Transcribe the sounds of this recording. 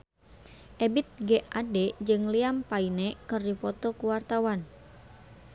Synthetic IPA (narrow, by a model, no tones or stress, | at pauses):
ʔebit̪̚ɡɛʔadɛd͡ʒɨŋliampainekɨrdipɔt̪ɔkuwart̪awan